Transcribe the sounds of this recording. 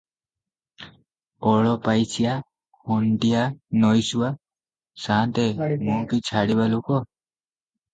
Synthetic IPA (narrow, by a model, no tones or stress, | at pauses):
ɔɭɔpajsʰija | hɔnʈijanɔjsua | sant̪emɔkit͡ʃʰaɽiβalukɔ